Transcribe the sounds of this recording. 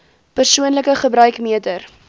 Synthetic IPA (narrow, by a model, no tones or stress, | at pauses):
pərsuənləkəχəbɾœɥkmiətər